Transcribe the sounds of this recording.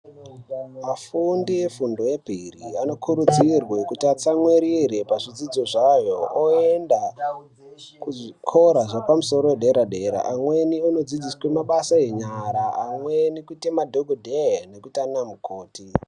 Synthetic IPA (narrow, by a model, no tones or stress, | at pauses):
mafundie̞fundo̞je̞pirḭano̞kʰuɾud͡zirwekutiat͡samweɾiɾe̞paʐid͡zid͡zo̞ʐajo̞oenda | kuʐikʰo̞ɾaʐapamuso̞ɾo̞wedʱe̞ɾadʱe̞ɾa̰ʔamwe̞niono̞d͡zid͡ziswemaɓasaje̞ɲaɾaːmwenikutemadʱoɡʱodʱene̞kutianamuko̞ːti